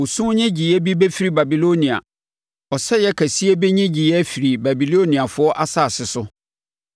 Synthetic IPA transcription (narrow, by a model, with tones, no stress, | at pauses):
o˨sũ˦ɲɛ̃˦d͡ʑi˨jɛ˦bi˦be˦fi˦ɾi˦ba˨bi˨lo˦nĩ˨a̰˨ | ɔ˨sɛ˦jɛ˦kʰæ˨si˦e˦bɛ˦ɲɛ̃˦d͡ʑi˨jɛ˦æ˦fi˨ɾi˨ba˨bi˨lo˦nĩ˨a˨fʊ˦ɔ˦ʔa˦saː˨sɪ˨sʊ˦